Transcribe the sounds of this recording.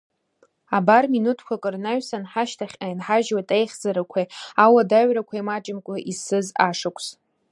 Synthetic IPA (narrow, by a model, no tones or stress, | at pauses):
abarminutʰkʷʰakʼɨrnaɥsanħaʃtʰaχʲajnħaʒwatʼejχʲd͡zaɾakʷʰajawadaɥrakʷʰaimat͡ʃʼɪmkʷʼʊʔisɨzaʂakʷʰs